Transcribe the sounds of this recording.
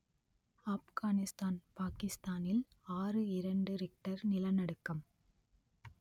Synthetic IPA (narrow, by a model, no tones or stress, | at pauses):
aːfɣaːnɪst̪aːnpaːkɪst̪aːnɪl | aːrɯɪɾɐɳɖɯɾɪk̚ʈɐɾnɪlɐnɐɽɯkːɐm